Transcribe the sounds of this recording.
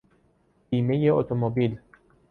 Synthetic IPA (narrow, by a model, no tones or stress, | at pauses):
biːme̞jeot̪ʰomobil